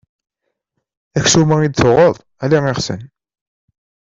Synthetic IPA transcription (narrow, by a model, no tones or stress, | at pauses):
æçsumæid̪θʊʁəðˤ | æliʁiχsə̰n